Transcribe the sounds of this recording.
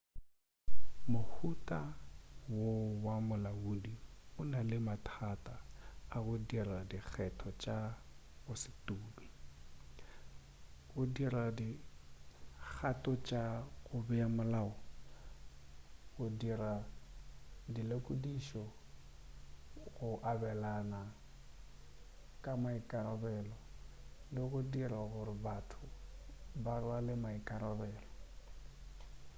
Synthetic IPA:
mʊk͡xʰutʼawowamʊlauːdiʊnalɪmatʰatʼaːɣʊdiradik͡xʰɛtʰɔt͡ʃʼaɣʊsɪ̥tuːli | ɣʊdiradi | k͡xʰatʼɔt͡ʃʼaɣʊbɛamʊlaɔ | ɣʊdiɾa | dilakʼudiʃɔ | ɣʊʔabɛlana | kʼamaikʼaɾɔbɛːlɔlɪɣʊdiraɣʊɾɪbatʰʊ | baralɪmaikʼaɾɔbɛːlɔ

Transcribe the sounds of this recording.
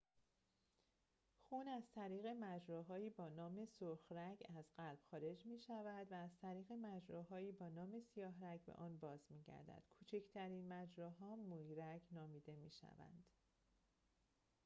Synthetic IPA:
xuːnæz̥t̪ʰæɾiːɣe̞mæd͡ʒɾɒːɦɒːjiːbɒːnɒːme̞soɾxræcʰæzɢælb̥xɒːɾe̞d͡ʒmiːʃævæd̪væːzt̪ʰæɾiːɣe̞mæd͡ʒɾɔːɦɒːiːbɒːnɒːme̞sijɒːɦɾæcʰbḛʔɒːnbɒːzmiːɟæ̰ɾd̪æ̰d̪̥kʰuːt͡ʃʰecʰt̪ʰæɾiːnmæd͡ʒɾɔːɦɒːmojiɾæcʰnɒːmiːd̪e̞miːʃæ̰væ̰nd̪̥

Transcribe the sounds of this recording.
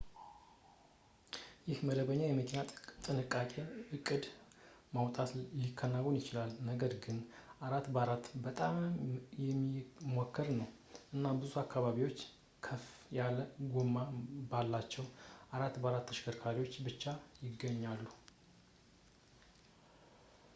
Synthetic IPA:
jɪhməd̪əβəɲːajɛməkʰenat̪ʼt̪ʼɨnɨkʼːakʼe̞ɨkʼːɨd̪ | mawt̪ʼat̪likʰːənːawonjɪt͡ʃɪlalnəɡəɾɡɨnʔaɾat̪ːbəaɾat̪bət̪ʼamjɛmːimokʰːəɾnəw | ʔɨnːabɨzuakʰːaβaβiwo̞t͡ʃː | kʰəfjaləɡomːabalːat͡ʃːɛwʔaɾat̪ːbəaɾat̪ʰːəʃkʰəɾkʰaɾiwo̞t͡ʃːbɨt͡ʃːajɪɡːəɲːalːu

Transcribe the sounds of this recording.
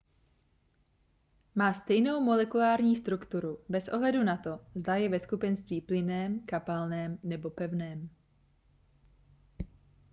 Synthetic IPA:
maːst̪ɛjno̞wmo̞lɛkulaːɾɲiːst̪ɾukt̪uɾubɛsʔo̞ɦlɛdunat̪o̞zd̪ajɛvɛskupɛnst̪viːplɪnɛːmkapalnɛːmnɛbo̞pɛvnɛːm

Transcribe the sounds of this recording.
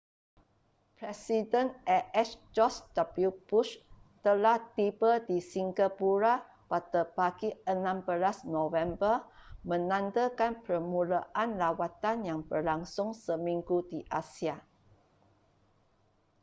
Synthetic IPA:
pɾɛsidənɛɛsd͡ʒɔsd̥abliubuʃt̪əlaht̪ibədisiŋɡapuɾa | padapaɡiənãmbəlasnovɛmbərmə̃nãndəkanpərmulaʔanlawat̪anjaŋbərlaŋsʊŋsəmĩŋɡudiʔasia

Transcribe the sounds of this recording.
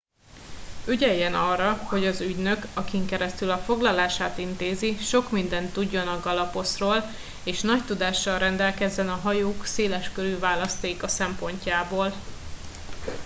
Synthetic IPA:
yɟɛjːɛnɒrːɒho̞ɟɒzyɟnø̞kɒkiŋkɛɾɛst̪ylɒfo̞ɡlɒlaːʃaːt̪int̪eːziʃo̞kmind̪ɛnt̪ːuɟːo̞nɒɡɒlɒpo̞sroːl | eːʃnɒct̪ud̪aːʃːɒlrɛnd̪ɛlkɛzːɛnɒɦɒjoːkseːlɛʃkøɾyːvaːlɒst̪eːkɒsɛmpo̞ɲcaːboːl

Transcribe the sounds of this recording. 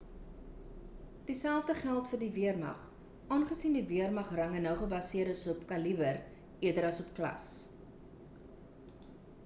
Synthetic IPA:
d̥isælˠvfdəχælˠtfərdiviərmɐ̰χ | ʔɑːnχəsindiviərmɐχrɐŋənəwχəbɐsiəɾəsɔpkɐlibər | ʔiədəɾɐsɔp̚klɐ̰s

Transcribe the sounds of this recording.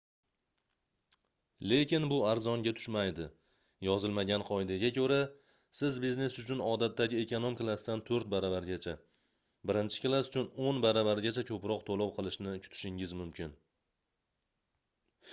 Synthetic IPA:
le̞kʲɪnbʊaɾzɒŋɡʲat̪ʰʊ̥ʃmajd̪ɪ | jɒzɪlmaɡʲanqʰɒɪd̪aɡʲakʲʰɵɾa | sɪzbizne̞sʊt͡ʃʰʊnɒd̪at̪ːaɡʲɪekonomklˠast̪ant̪ʰoɾt̪̚baɾavaɾɡʲat͡ʃʰa | bɪɾɪnt͡ʃʰɪ̥klˠasʊt͡ʃʰʊnonbaɾavaɾɡʲat͡ʃʰakʰɵpɾɒqt̪ʰolˠɒwqʰɨlˠɪʃnɪkʰʊ̥t̪ʰɪ̥ʃɪŋɪzmʊmkʲʰɪn

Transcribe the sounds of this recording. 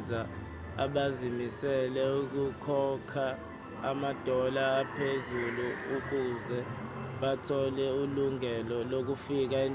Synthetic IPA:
za | a̰ɓazimisɛlɛuk̬ukʰɔkʰa | amad̥ʱɔlaːpʰezuluuk̬uzɛ | ɓatʰɔlɛuluŋɛlɔlok̬ufik̬ain

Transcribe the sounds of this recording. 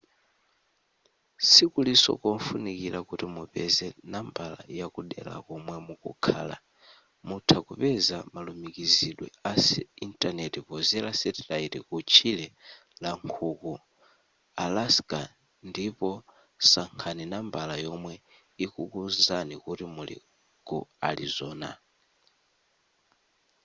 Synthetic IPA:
sikulisɔ̰kɔmfunikilakutimupɛzɛnambala̰jakuɗɛ̰la̰kɔmwɛmukṵkʰa̰ːla̰ | mutʰakupɛzamalumikiziɗwɛasɛintʼanɛtipɔzɛlasɛtɛlaitikut͡ʃʰilɛ | laŋkʰuku | alaskʼa | ndipɔ | saŋkʰaninambalajɔmwɛ | ikukuzanikutimulḭ | ɡ̥ṵaɾizɔːna̰

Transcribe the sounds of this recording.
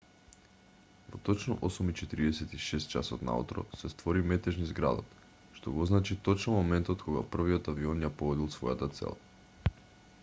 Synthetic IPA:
vot̪ɔt͡ʃnɔʔosumit͡ʃɛt̪iɾiɛsɛt̪iʃɛst̪̚t͡ʃa̰sɔt̪na̰ṵt̪ɾɔ̰sɛst̪vɔɾimɛt̪ɛʒnizɡɾa̰d̪ɔ̰t̪ | ʃt̪oɡɔznat͡ʃit̪ɔt͡ʃnɔmomɛnt̪ot̪kʰɔɡa̰pr̩viot̪aviɔnjapovɔd̪ilˠsvɔjat̪at̪sɛ̰lˠa

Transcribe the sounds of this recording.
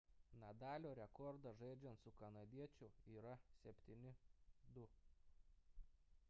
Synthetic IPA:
nɐd̪ɑːlʲoːɾʲɛkɔɾd̪ɐʒɐɪd͡ʒʲɛnt̪sʊkɐnɐd̪ʲiɛt͡ʃʲʊiːɾɐsʲɛpʲt̪ʲinʲɪd̪ʊ

